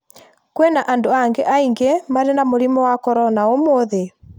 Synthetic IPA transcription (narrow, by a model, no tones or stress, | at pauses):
kwɛnaʔandoaŋɡɛʔaiŋɡemaɾenamoɾimɔwakɔɾɔnaomoðe